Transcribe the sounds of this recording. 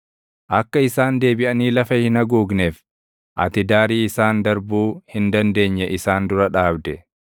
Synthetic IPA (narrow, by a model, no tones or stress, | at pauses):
ʔɐkːɐɪsaːnd̪e̞ːbɪʔɐniːlɐfɐhɪnɐɡuːɡnef | ʔɐ̰t̪ɪd̪aːɾiːɪsaːnd̪ɐɾbuːhɪnd̪ɐnd̪e̞ːɲːɛʔɪsaːnd̪ʊɾɐᶑaːbd̪ɛ